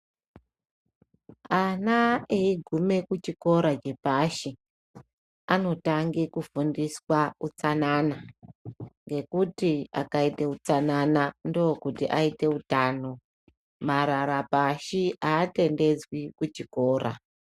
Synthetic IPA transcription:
anaeiɡʱume̞kut͡ʃiko̞ɾad͡ʒe̞paʃi | ano̞taŋɡekufundiswaut͡sanana | ŋɡe̞kutia̰kaiteut͡sananandookutiʔaite̞utaːno̞ | maɾaɾapaʃiʔaːte̞nde̞d͡zwikut͡ʃiko̞ːɾʔa̰

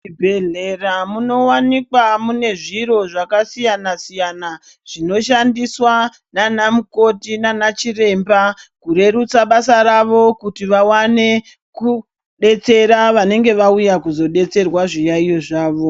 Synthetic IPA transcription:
ibʱeɮeramuno̞wanikwamune̞ʐiɾo̞ʐakasijanasijana | ʐ̥ino̞ʃandiswa | nanamuko̞tinanat͡ʃire̞mbakuɾe̞ɾut͡saɓasaɾaʋo̞kutiʋawane̞ | ku | ɗe̞t͡se̞ɾaʋane̞ŋɡe̞ʋaujakuzo̞ɗe̞t͡se̞rwaʐijaijo̞ʐaːʋo̞

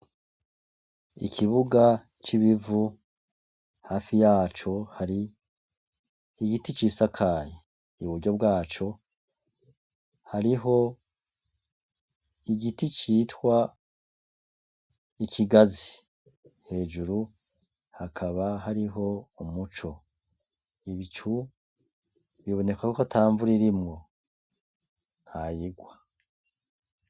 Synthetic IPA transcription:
ḭkʰiβuɡa | t͡ʃiβivu | haːfijaːt͡ʃo̞haɾi | ɡitit͡ʃisakʰaje | iβuɾɟo̞b̚ɡaːt͡ʃo̞ | haɾiɦo̞ | iɡitit͡ʃiːtwa | ikʰiɡazi | he̞ːd͡ʒuɾu | hakʰaβaɦaɾiɦo̞umut͡ʃo̞ | iβit͡ʃu | βiβo̞ne̞kwakokatʰaːɱvuɾiɾimŋo̞ | n̥hajiɡwa

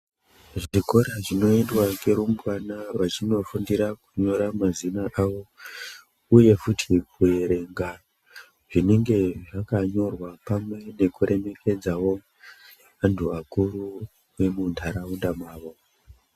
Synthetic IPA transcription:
ʐiko̞ɾaʐino̞indwaɡeɾumbwanaʋat͡ʃino̞fundiɾaku̥ɲo̞ɾamazinaʔaʋo̞ | uje̞futʰikue̞ɾe̞ŋɡa | ʐine̞ŋɡe̞ʐakaɲo̞rwapamwe̞ne̞kuɾʔe̞me̞kʰe̞d͡zawo̞ | antʰuakuɾu | wemuntʰaɾaundamwaːʋo̞

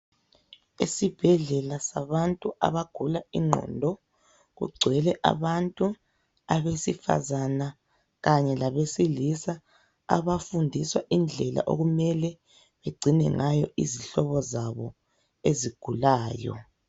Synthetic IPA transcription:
isib̥ʱɛɮɛlasaβantʼua̰βaɡ̥ʱulaiŋ͡ǃʱɔ̰ndʱɔ | ɣṵɡ͡ǀʱwɛlɛʔa̰βantʼu | aβesifa̰zana | ɣaɲɛlaβesilisa̰ː | βafundʱiswaʔind͡ɮʱɛla̰ʔo̰ɣumɛlɛ | βeɡ͡ǀʱinɛŋajɔiziɬɔβɔzaβɔ̰ | eziɡ̥ʱulaːjɔ̰

